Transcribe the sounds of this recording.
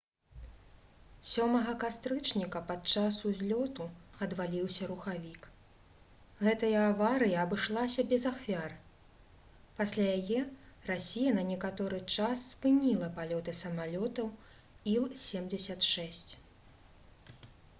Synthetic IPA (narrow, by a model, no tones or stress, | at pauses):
sʲɔmɐɣɐkast̪ɾɨt͡ʂnʲikɐpat̪̚t͡ʂasuzʲlʲɔt̪uɐd̪valʲiwsʲɐɾuxavʲik | ɣɛt̪ɐjɐːvaɾɨjiɐbɨʂlˠasʲɐbʲɛzaxvʲar | pasʲlʲajajɛrasʲijɐnɐnʲɛkat̪ɔɾɨt͡ʂasːpɨnʲilˠɐpalʲɔt̪ɨsɐmalʲɔt̪ɐw | ilˠsʲɛmd͡zʲɛsʲɐt̪ʂɛsʲt͡sʲ